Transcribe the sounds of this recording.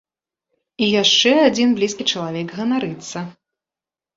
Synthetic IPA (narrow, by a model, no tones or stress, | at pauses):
ijaʂt͡ʂɛad͡zʲinblʲiskʲit͡ʂɐlˠavʲɛɡɣɐnaɾɨt̪sːɐ